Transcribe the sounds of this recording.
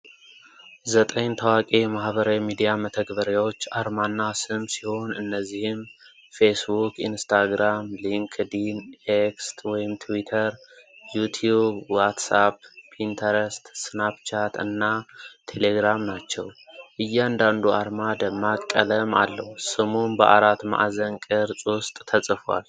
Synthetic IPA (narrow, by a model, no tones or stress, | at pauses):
zət̪ʼəɲt̪ʰəwakʼemahβəɾawmid̪ijamət̪ʰəɡbəɾjawo̞t͡ʃːaɾmanːasɨmsi̥ho̞nɨnːəzːihɪm | fe̞sbukinst̪ʰaɡɾamliŋkʰd̪inekst̪wɔjɪmt̪ʰwit̪ʰəɾjut̪ʰjubwat̪sappint̪ʰəɾəst̪snabt͡ʃʰat̪ɨ̰nːat̪ʰe̞le̞ɡɾamnat͡ʃːɛ̰wʔɨjːɛand̪and̪uaɾmad̪əmːakʼːələma̰lːəhusɨmonbəʔa̰ɾat̪ma̰ʔazənkʼɨɾsʼwʊst̪ʼt̪ʰəsʼɨfwa̰l